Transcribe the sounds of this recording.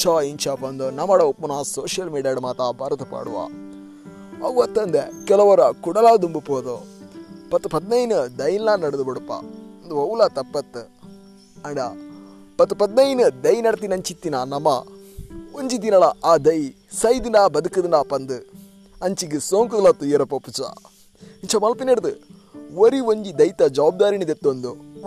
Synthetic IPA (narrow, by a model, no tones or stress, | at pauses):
t͡ʃaːint͡ʃaːpɐnd̪onɐmɐɽɐupːunaːsoːʃjɐlmiːɖijaːɽumaːt̪abɐːɾɐt̪ɐpa̰ːɽuʋa̰ː | ɐwɐt̪ːɐnd̪ekɛlɐʋɐɾɐkuɽɐlaːd̪umbupoːd̪o | pɐt̪ːupɐd̪nɐjnɨd̪ɐjinlaːnɐɽɐd̪ubɐɽupːa̰ɐnd̪uɐwulat̪ɐpːɐt̪ːɨ | ɐɳɖa̰ | pɐt̪ːupɐd̪nɐjnɨd̪ɐjnɐɽɐt̪̬inɐɲt͡ʃit̪ːinanɐmɐ̰ | oɲd͡ʒid̪̬inɐlɐʔaːd̪ɐj | sɐjd̪inaːbɐd̪ukɐd̪ɨnaːpɐnd̪ɨ | ɐɲt͡ʃiɡisoːŋkud̪ɐlɐt̪ːujeɾɐpɐpːut͡ʃa̰ | iɲt͡ʃɐmɐlpinɐɽɐd̪ɨ | woɾioɲd͡ʒid̪ɐjt̪ɐd͡ʒɐʋaːb̚d̪aːɾinid̪et̪ːond̪u